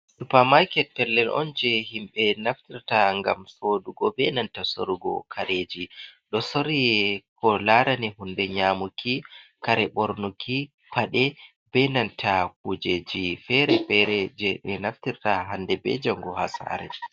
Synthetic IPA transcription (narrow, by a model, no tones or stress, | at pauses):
ɗupamajkɛtːɛlːɛlʔɔ̰nd͡ʒɛhimɓɛnaftiɾtaŋɡa̰msoːduɡɔbɛnantaso̰ɾiɡɔ̰kʰaɾed͡ʒiɗɔsoɾiɛkɔlaɾanɛhundɛɲamukʰikaɾɛɓoɾnukʰi | paɗɛ | bɛnantʰakud͡ʒed͡ʒifɛɾɛbɛɾɛd͡ʒɛɗɛnaftiɾtaɦandɛbɛ̰d͡ʒaŋɡɔhasa̰ɾɛ̰